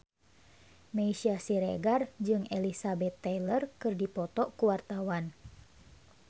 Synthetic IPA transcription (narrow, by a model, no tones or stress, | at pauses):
meisiasiɾḛɡard͡ʒɨŋelisabɛt̪ːɛlərkɨrdipɔt̪ɔʔkuwart̪awan